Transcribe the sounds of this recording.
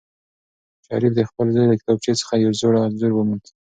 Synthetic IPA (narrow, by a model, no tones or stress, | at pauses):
ʃɑ̰ɾifd̪əxpəlzɑjləkɪ̥t̪ɑb̚t͡ʃet͡sə̥xajawzoɽaanzuɾwəmund̪